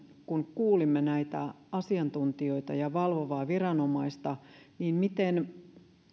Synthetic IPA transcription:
kunkuːlimːenæit̪æ | ɑsiɑnt̪unt̪io̞it̪ɑ̰jɑʋɑlʋoʋɑːʋirɑno̞mɑist̪ɑniːnmit̪en

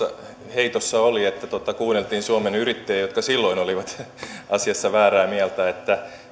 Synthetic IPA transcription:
ɑ̰ | heit̪osːɑoliet̪ːæt̪ot̪ɑkuːnːelt̪iːnsuɑmenyrit̪ːeːjot̪kɑsilːoinoliʋɑt̪ɑsiɑsːɑʋæːræːmiælt̪æet̪ːæ

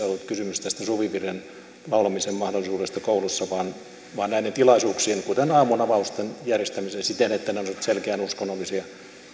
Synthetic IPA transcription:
olːut̪kysymyst̪æst̪æsuʋipiren | lɑulɑmisemmɑhdolːˑisuːdest̪ɑkoulusːɑʋɑˑːn | ʋɑːnnæinet̪ilɑisuːksiːnkut̪enɑːmunɑʋɑust̪enjærjest̪æmisensit̪enet̪ːænonot̪selkeænuskonːolːˑisiɑ

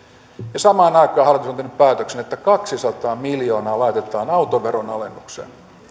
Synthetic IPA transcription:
jɑsɑmɑːnɑikˑɑːhɑlt̪isont̪enːyppæːt̪øksenet̪ːækɑksisɑt̪ɑːmiljo̞ːnɑːlɑit̪et̪ˑɑːnɑut̪oʋeɾonɑ̰lenːuksḛn

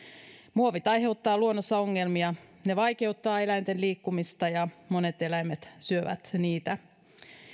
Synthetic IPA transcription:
muoʋit̪ɑjɦe̞ut̪ːɑːluonːosːɑo̞ŋːe̞lmiɑne̞ʋɑjke̞ut̪ːɑːe̞læjnt̪e̞nliːkːumist̪ɑjɑmo̞ne̞t̪e̞læjmet̪syøʋæ̰t̪niːt̪æ

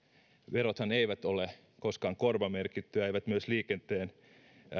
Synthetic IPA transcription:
ʋerot̪hɑneiʋæt̪ole | koskɑːŋkorʋɑmerkit̪ːyjɑeiʋæt̪myøsliːkent̪eːn

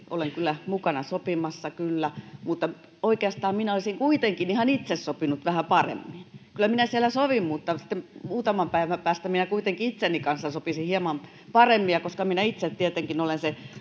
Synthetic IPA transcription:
ʔo̰leŋkylːˑæmukɑnɑsopimɑsːɑkylːæmut̪ːɑ | oikeɑst̪ɑːmminæolisiŋkuit̪eŋkinihɑnit̪sessopinut̪ʋæhæpɑrḛmːinkylːˑæminæsielæsoʋimmut̪ːɑsi̥t̪ːemmuːt̪ɑmɑmpæiʋæpæːst̪æminækuit̪eŋkiit̪senikɑnsːɑsopisihiɛmɑm | pɑremːiɑkoskɑminæit̪set̪t̪iet̪eŋkinolense

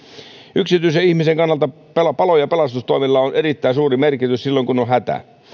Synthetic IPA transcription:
ʔyksit̪yisæihmiseŋkɑnːɑlt̪ɑ | pelɑpɑlojɑpelɑst̪ust̪oimilːɑonerit̪ːæisuːrimerkit̪yssilːoiŋkunohæt̪æ̰

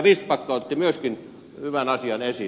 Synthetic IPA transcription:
ʋiːstpɑˑkːˑɑˑot̪t̪ːimyøskin | hyʋænɑsiɑnesi

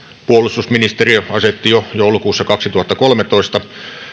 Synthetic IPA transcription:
puolust̪usminist̪eriɑset̪ːijojoˑulukuːsːɑkɑksit̪uhɑt̪ːɑkolmet̪oist̪ɑ

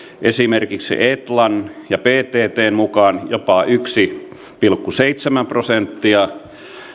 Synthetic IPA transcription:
ʔesimerkiksḭʔet̪lɑnjɑpeːt̪eːt̪eːmmukɑnjopɑyksi | pilkːuseit̪semæmprosent̪ːiɑ

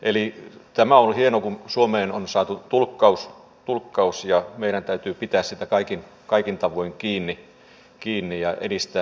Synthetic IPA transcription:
ʔelit̪æmæonhienokunsuomeːnonsɑːt̪ut̪ulkːɑus | t̪ulkːɑusjɑmeiɾænt̪æyt̪yːpit̪æːssit̪ækɑikin | kɑikint̪ɑʋoiŋkiːnːi | kiːnːijɑʔḛɾist̪æː

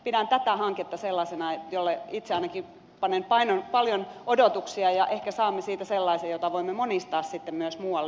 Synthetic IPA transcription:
pidænt̪æt̪æhɑŋket̪ːɑselːɑsenɑejolːeit̪seɑinɑki | pɑnːenpɑinonpɑljonodot̪uksiɑjɑʔehkæsɑːmːesiːt̪æselːɑisejot̪ɑʋoimːemonist̪ɑːssit̪ːemmyøsmuːɑlːe

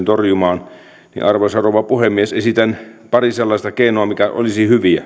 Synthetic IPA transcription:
nt̪orjumɑːn | nḭʔɑrʋosɑroʋɑpuhemːiesesit̪ænpɑriselːɑisʲt̪ɑkeinoɑmikæʔo̰lisihyʋiæ

